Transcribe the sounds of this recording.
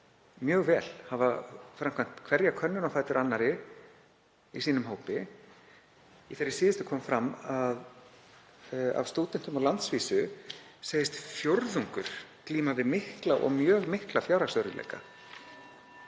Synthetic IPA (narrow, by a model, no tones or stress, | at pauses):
mjœːɣvɛːlhavafɾamkʰan̥t̪kʰvɛɾjakʰœnːʏnawfaːjt̪ʏɾʔanːaɾɪ | isiːnʏmɦoːwpɪ | iθeɾɪsiːðɪst̪ʏ̥kʰɔːmfɾamːað | a̰vst̪oːt̪ɪnt̪ʏmaɣlant̪sviːsʏ | seːjɪst̪fjoɾðuŋkʏɾ̥kliːmavɪðmɪhklaʔɔ̰ɣmjœːɣmɪhklafjaːwɾasœwɾʏlḛːjka̰